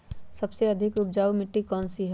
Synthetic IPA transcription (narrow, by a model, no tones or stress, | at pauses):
sɐbseɐd̪ʱɪkʊpd͡ʒaːumɪʈːikɔːnsiɦ